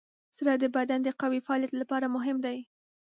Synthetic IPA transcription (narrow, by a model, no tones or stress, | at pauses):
saɾɑd̪əbad̪and̪əqawifaɑljat̪lapɑɾamʊɦɪmd̪aj